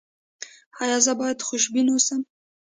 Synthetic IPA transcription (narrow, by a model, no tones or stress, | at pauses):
hajɑzəbɑjad̪xʊʃbinosəm